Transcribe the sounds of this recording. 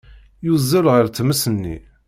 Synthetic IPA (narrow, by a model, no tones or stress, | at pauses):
juzəɾʁəɾt͡sːməsənːḭ